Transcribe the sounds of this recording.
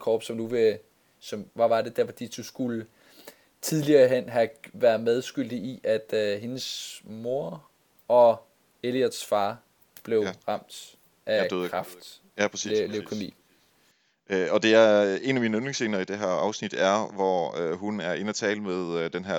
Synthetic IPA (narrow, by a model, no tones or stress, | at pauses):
kʰɒːb̥sɒ̽mnuʋe̝ | sɒ̽mʋɑ̈ʋɑ̈d̥e̝d̥æɐfɒ̽d̥ḭːd̥usɡ̥ulə | t͡sʰiðˠliɐɦen̰ɦæʋæɐðˠmeð̞ˠsɡ̥yl̰d̥iʔiʔæd̥ɦe̝nəsmo̝ɐ | ɒ̽ | e̝liæd̥sfɑ̈ː | b̥le̝ʊʁɑ̈m̰d̥ | ʔæʁɑfd̥ | æpʰʁɛsilekʰomḭː | ɒ̽d̥e̝æɐe̝næminøneŋse̝ːnɐid̥e̝ɦæɐɑ̈ʊsnid̥æɐʋɒøɦunæɐe̝næt͡sʰɛːləmeðˠd̥enɦæɐ̰